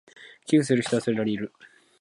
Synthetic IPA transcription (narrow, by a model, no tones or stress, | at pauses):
kʲɨːsɨɾɯ̟çi̥t̪oasɨɾeɾaɾʲiɾɯ̟